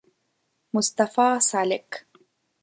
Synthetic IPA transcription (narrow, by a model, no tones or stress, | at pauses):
mʊst̪ɑfaːsalɪk